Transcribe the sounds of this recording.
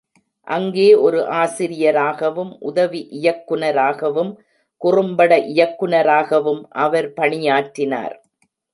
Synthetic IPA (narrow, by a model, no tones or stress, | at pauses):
ʔɐŋɡeːʔɔɾɯʔaːsɪɾɪjɐɾaːɣɐʋɯmʔʊðɐʋiʔɪjɐkːɯɳɐɾaːɣɐʋɯm | kʊrɯmbɐɽɐʔɪjɐkːɯɳɐɾaːɣɐʋɯmʔɐʋɐɾpɐɳɪjaːʈːɪna̰ːɾ